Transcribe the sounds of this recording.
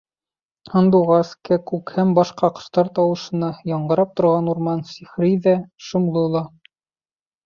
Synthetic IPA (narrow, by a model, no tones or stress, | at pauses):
hŏnd̪uʁɑskækʉkhæmbɑʃqɑqɤ̥̆st̪ɑɾt̪ɒwɤ̆ʃɤ̆nɑjɒɴɢɤ̆ɾɑp̚t̪ŏɾʁɑnuɾmɑnsiχɾiðæʃɤ̆mlˠɤlˠɑ